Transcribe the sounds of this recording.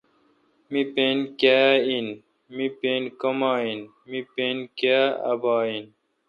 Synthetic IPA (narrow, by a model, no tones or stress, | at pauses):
mipeːnkeːin | mipeːnkomaːin | mipeːnkaɐ̰baːin